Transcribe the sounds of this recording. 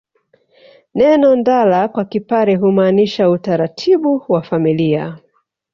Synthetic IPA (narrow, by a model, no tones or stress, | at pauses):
nɛnɔndalakwakipaɾɛɦumaːniʃautaɾatʰiɓuwafamilia̰